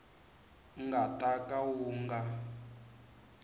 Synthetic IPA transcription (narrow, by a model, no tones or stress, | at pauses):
ŋɡatʼakʼawuːŋɡa